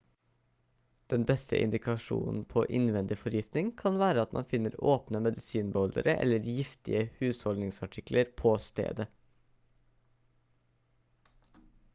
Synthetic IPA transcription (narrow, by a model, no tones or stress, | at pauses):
d̪̥ɛnbɛst̪ʰə̰ʔɪ̰nd̪ɪkʰɑʃṵːnn̩pʰo̰ːʔɪnʋɛnd̪ɪfɔɾjɪft̪nɪŋkʰɑnʋæːɾəɑt̪mʔɑ̰nfɪnəɾoːpnəmɛd̪ɪsiːnbəɔld̪ə̰ɾəʔɛ̰ləɾjɪft̪ɪ̰əhʉːshɔlnɪŋsɑʈʰɪklʔəɾpʰoːst̪ḛːd̪ə